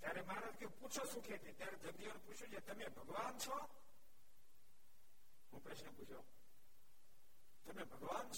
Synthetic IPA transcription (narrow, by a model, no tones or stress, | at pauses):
t̪jaɾemaɾət̪keũput͡ʃʰosũkʰet̪ʰit̪jaɾed̪ʱəɡd̪ioneput͡ʃʰjũd͡ʒet̪əmebʱəɡʋant͡ʃʰɔ | ɦũpɾəʃnəput͡ʃʰjo | t̪əmebʱəɡʋant͡ʃʰ